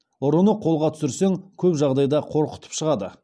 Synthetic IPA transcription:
ʊɾənəqʰolˠʁɑt̪ʰʏ̥sɪɾseŋkʲʰɵpʒɑʁd̪ɑjd̪ɑqʰo̞ɾqə̥t̪ʰə̥pʃəʁɑd̪ə̰

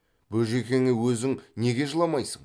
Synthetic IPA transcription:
bɵʒe̞kʲe̞ŋɪwɵzɪŋne̞ɡʲe̞ʒəlˠɑmɑjsəɴ

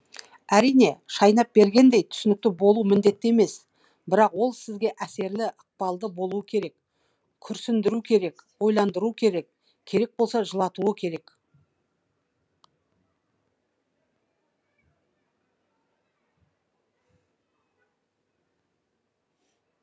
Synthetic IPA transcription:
æɾijne̞ʃɑjnɑp̚be̞ɾɡʲe̞nd̪e̞jt̪ʰʏ̥sɪnɪk̚t̪ɪbo̞lˠumɪnd̪e̞t̪ːɪeme̞s | bɪɾɑqwo̞lˠsɪzɡʲe̞ʔæse̞ɾlɪʔəq̚pɑlˠd̪əbo̞lˠuəkʲʰe̞ɾe̞k | kʲʰʏɾsɪnd̪ɪɾukʲʰe̞ɾe̞kwo̞jlˠɑnd̪əɾukʲʰe̞ɾe̞k | kʲʰe̞ɾe̞k̚bo̞lˠsɑʒəlˠɑt̪uəkʲʰe̞ɾe̞k

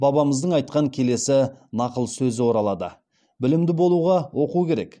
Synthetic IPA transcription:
bɑbɑməzd̪əɴɑjt̪̚qɑŋkʲʰe̞le̞sɪnɑqəlˠsɵzɪwo̞ɾɑlˠɑd̪ə̰ | bɪlɪmd̪ɪbo̞lˠuʁɑwʔo̞qukʲʰe̞ɾe̞k

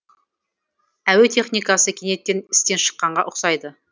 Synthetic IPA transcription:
æwet̪ʰe̞χnijkɑsəkʲʰene̞t̪ːʲe̞nɪst̪e̞nʃə̥qːɑɴʁɑʔʊqsɑjd̪ə

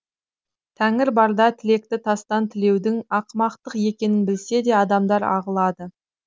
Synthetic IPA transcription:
t̪ʰæŋɪɾbɑɾd̪ɑt̪ʰɪle̞k̚t̪ɪt̪ʰɑst̪ɑnt̪ʰɪle̞wd̪ɪŋɑqmɑqt̪əqje̞kʲe̞nɪnbɪlse̞d̪e̞ɑd̪ɑmd̪ɑɾɑ̰ʁəlˠɑd̪ə

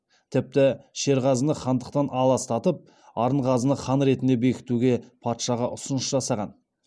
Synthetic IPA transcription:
t̪ʰɪp̚t̪ɪʃe̞ɾʁɑzənəχɑnd̪əq̚t̪ɑnʔɑlˠɑst̪ɑt̪əp̚ | ɑɾəɴqɑzənəχɑnɾe̞t̪ɪnd̪e̞be̞kʲɪ̥t̪uɡʲe̞pʰɑt̪ʃɑʁɑʔʊsʊnəʃʒɑsɑʁɑn

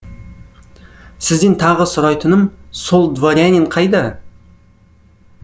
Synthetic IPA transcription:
sɪzd̪ɪnt̪ʰɑʁəsʊɾɑjt̪ənəmsolˠd̪voɾʲanʲiɴqʰɑjd̪ə

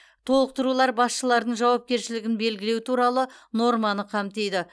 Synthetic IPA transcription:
t̪ʰo̞lˠəq̚t̪əɾulˠɑɾbɑsʃəlˠɑɾd̪əɴʒɑwɑp̚kʲe̞ɾʃɪlɪɡʲɪnbe̞lɡʲɪle̞wt̪ʰuɾɑlˠəno̞ɾmɑnəqʰɑmt̪e̞jd̪ɪ

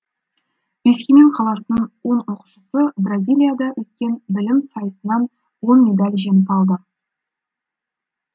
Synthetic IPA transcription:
b̥e̞skʲeneɴqʰɑlˠɑsənəɴwo̞ɴoqu̥ʃəsəbrazʲijlʲijad̪ɑwʔɵt̪̚kʲe̞nbɪlɪmsɑjəsənɑn | wo̞nme̞d̪ɑlʲʒe̞nəpɑlˠd̪ə

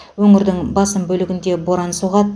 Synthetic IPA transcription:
wɵŋɪɾd̪ɪŋbɑsəmbɵlɪɡʲɪnd̪e̞bo̞ɾɑnsuʁɑt̪

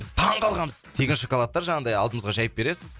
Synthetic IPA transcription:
bɪz̥t̪ʰɑɴqʰɑlˠʁɑnməzt̪ʰe̞kʲɪnʃokolˠat̪ːɑɾʒɑɴɑd̪ɑjɑlˠd̪əmɴəzʁɑʒɑjɪp̚be̞ɾe̞sɪz

